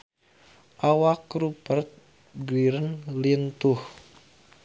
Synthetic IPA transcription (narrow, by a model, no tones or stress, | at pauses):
ʔawakɾupərt̪̚ | ɡɾiɾənlint̪uh